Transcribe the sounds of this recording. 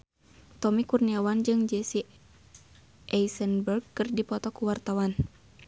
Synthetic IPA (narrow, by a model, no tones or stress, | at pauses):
t̪ɔmikurniawand͡ʒɨŋd͡ʒɛsi | ʔɛisənbərɡkːɨrdipɔt̪ɔkuwart̪awan